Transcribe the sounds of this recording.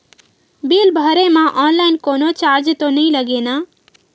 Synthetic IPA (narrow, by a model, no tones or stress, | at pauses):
bilbʱəɾemãʔɔnlaɪnkoːnot͡ʃaɾd͡ʒt̪onəĩləɡena